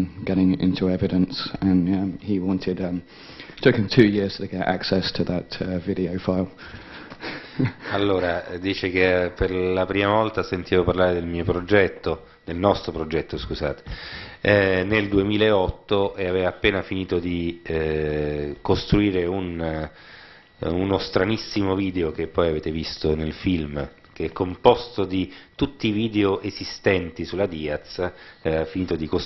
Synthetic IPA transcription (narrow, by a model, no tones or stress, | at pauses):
ɡ̥ɛɾɪ̃ŋʔɪ̰̃ntʰuɛvɪɾə̃nsə̃nʌhiwɑ̃ntʰɪdʌ̃ | tʰʊkɪ̃mtʰʉːjɪɹz̥tʰəɡɛɾa̰ksɛstʰəðətʌvɪɾiəʊfaɪlˠ | alːoːɾad̪iːt͡ʃekeperlapɾiːmavɔlt̪asent̪ʰiːvoparlaːɾed̪elmiːopɾod͡ʒɛt̪ːo | d̪̥elnɔst̪ɾopɾod͡ʒɛt̪ːoskuza̰ːt̪e̥ | neld̪uemiːlaeɔt̪ːoeaveːvaːpːeːnafiniːt̪od̪i | kost̪ɾuiːɾeun | unost̪ɾanisːimoviːd̪eok̟epːɔjaveːt̪evist̪onelfilm | k̟eɛkːompɔst̪od̪it̪ut̪ːiːviːd̪eoʔezist̪ɛnt̪isulad̪iːat̪saevafiniːt̪od̪iko